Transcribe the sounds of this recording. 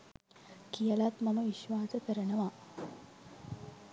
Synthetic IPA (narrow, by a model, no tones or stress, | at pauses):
kijəlat̪maməʋiʃʋaːsəkəɾənəʋa